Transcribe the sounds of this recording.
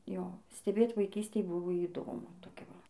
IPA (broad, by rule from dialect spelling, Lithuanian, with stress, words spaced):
ˈjoː sʲtʲɛˈbʲeːt ʋɐɪˈkʲiːsʲtʲeːj ˈbʊʋoː iːˈdoːmʊ toːˈkʲɛ ˈʋɐ